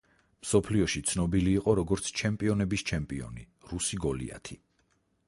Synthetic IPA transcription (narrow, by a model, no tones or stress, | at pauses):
msɔpʰliɔʃit̪sʰnɔbiliːqʼɔɾɔɡɔɾt̪sʰt͡ʃʰɛmpʼiɔnɛbist͡ʃʰɛmpʼiɔ̰ni | ɾusiɡɔlḭa̰t̪ʰi